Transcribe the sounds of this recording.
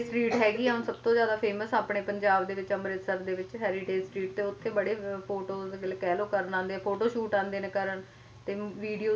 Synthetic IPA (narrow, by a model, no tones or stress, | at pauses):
sʈɾiːʈɦɛːɡiːɦʊnsəb̚t̪õːzjaːd̪aːpʰeːməsaːpɳeːpəɲd͡ʒaːbd̪eːʋɪt͡ʃəmɾet̪səɾd̪eːʋɪt͡ʃɦɛːɾiʈeːsʈɾiːʈ̚t̪eːʊt̪ʰːẽːbəɽeːpʰoːʈoːɡɪlkɛːloːkəɾnãːnd̪eːɛpʰoːʈoːʃuːʈãːnd̪eːnekəɾən | t̪eːʋiːɖijoː